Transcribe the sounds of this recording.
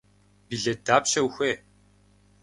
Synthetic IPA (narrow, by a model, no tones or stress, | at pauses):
biɮed̪aːpʃɐwxʷeː